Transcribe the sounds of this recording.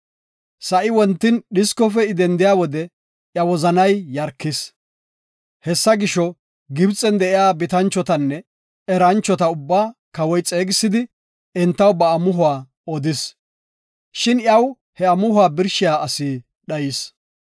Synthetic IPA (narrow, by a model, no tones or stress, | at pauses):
sɐʔɪwɔnt̪ːɪnɗɪskɔfɛɪd̪ɛnd̪ɪjaːwɔd̪ɛ | ʔjɐwɔzɐnɐjːɐɾkːɪs | hɛsːɐɡɪʃɔ | ɡɪbt͡sʼːɛnd̪ɛʔɪjaːbɪt̪ɐnt͡ʃːɔt̪ɐnːɛ | ɛɾɐnt͡ʃːɔt̪ɐʊbːaːkɐwɔjt͡sʼe̞ːɡɪsːɪd̪ɪ | ɛnt̪ːɐwbɐːmʊɦʊaː | ɔd̪ɪs | ʃɪnjɐw | hɛɐmʊhʊaːbɪɾʃɪjaːɐsi | ɗɐjɪs